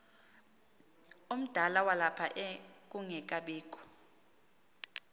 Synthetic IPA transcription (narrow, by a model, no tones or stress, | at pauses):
um̩d̥ʱalawalapʰaʔɛk̬ʼuŋɛk̬ʼaɓiːk̬ʼɔ̥